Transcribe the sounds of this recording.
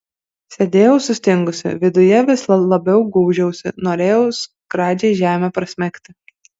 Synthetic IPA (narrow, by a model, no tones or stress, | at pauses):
sʲed̪ʲeːjɛʊsʊsʲt̪ʲɪŋɡʊsʲɪ̰ʋʲɪd̪ʊjɛʋʲɪslˠɐlˠɐbʲɛʊɡuːʒʲɛʊsʲɪ̰noːɾʲeːjɛʊs | kɾɑːd͡ʒʲɛɪʒʲæːmʲɛpɾɐsʲmʲɛkʲt̪ʲɪ